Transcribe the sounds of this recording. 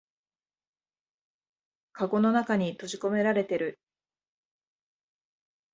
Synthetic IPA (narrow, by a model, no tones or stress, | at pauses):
kaɡo̞no̞nakaɲ̟it̪o̞ʑiko̞me̞ɾaɾe̞t̪e̞ɾɯ̟